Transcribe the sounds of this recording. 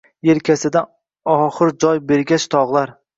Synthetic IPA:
eɾkʲʰasɪd̪a | ɒχɨɾd͡ʒɒjbeɾɡʲat͡ʃt̪ʰɒʁlˠaɾ

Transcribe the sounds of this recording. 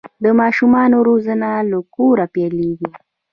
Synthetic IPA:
d̪ɔmaʃumanɔɾuzanalɔkuɾapialiβɔ

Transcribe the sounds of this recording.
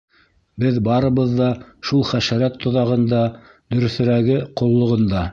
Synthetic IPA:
bɘðbɑɾɤ̆βɤ̆ðːɑʃulˠχæʃæɾæt̪ʰːŏðɑʁɤ̆nd̪ɑ | d̪ɵ̆ɾɵ̆θɘ̆ɾæɡɘqŏlˠːŏʁɤ̆nd̪ɑ

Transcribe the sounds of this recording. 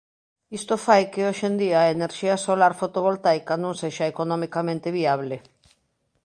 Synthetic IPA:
ist̪ofajkeoʃend̪iaeneɾʃiasolaɾfot̪oβ̞olt̪ajkanõŋseʃaekonɔ̃mikamẽnt̪eβiaβ̞le

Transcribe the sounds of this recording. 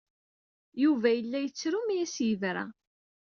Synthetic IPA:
juvæjəlːæjət͡sːɾumijæsjəvɾæ̰

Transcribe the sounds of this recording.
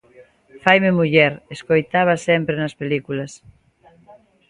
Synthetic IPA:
fajmemuʎɛɾeskojt̪aβ̞ɐsɛmpɾenɐspelikulɐs

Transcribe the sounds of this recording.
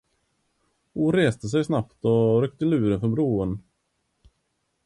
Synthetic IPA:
huːɾeːst̪əs̬ɛjsnapt̪ɔɾœk̚t̪əlʉ̟ːɾənfœɾbɾuːən

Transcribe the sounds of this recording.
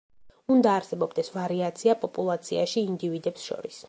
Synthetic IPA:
und̪aːɾsɛbɔbd̪ɛsvaɾiat̪sʰiapʼɔpʼulˠat̪sʰiaʃiːnd̪ivid̪ɛpsʃɔ̰ɾis

